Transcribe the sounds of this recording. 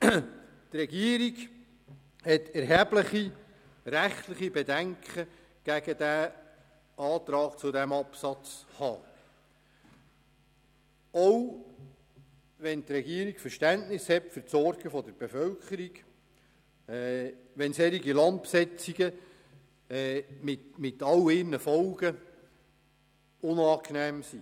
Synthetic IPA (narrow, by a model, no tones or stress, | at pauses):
trɛɡiəɾiɡ | hɛt̪ɛɾɦæbləχi | ɾæχt̪ləχibed̪æŋkχə | ɡ̥æɡəd̥̪æː | ɑːt̪ɾɑːkt͡sʊdæmɑpsɑt͡shɑ̰ː | ɔw | ʋɛnt̪ɾɛɡiəɾiɡfəɾʃtæntnɪshɛtfəɾtsɔɾɡ̥əfɔd̪əɾbefœlkχəɾiɡ | ɛ | ʋɛnsɛɾiɡilɑnt̪̚psɛt͡siɡə | mɪtmɪt̪ɑlɪrnəfɔlɡə | ʊnɑːknæːmsi